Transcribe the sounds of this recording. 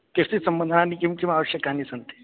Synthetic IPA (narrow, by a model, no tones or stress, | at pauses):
kesisəmbənd̪ʱənanikimkimaʋəɕjəkanisənt̪e̥